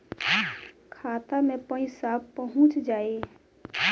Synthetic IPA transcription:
kʰaːt̪amẽpə̃ĩsaːbpəɦʊ̃t͡ʃd͡ʒaːe

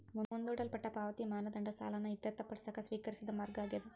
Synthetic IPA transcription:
munond̪uːɽɐlpɐʈːɐpaːʋɐt̪imaːnɐd̪ɐɳɖɐsa̰ːlɐnɐit̪ːɐt̪ːɐpːɐɽɐsɐkɐsʋiːkɐɾisid̪ɐmɐɾɡaːɡed̪u

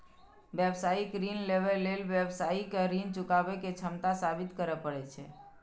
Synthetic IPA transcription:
ʋɛbsaikɾinleʋəlːelʋjəbsaikɾint͡ʃukaʋeket͡ʃʰəmt̪asabit̪kəɾəpəɽet͡ʃʰe

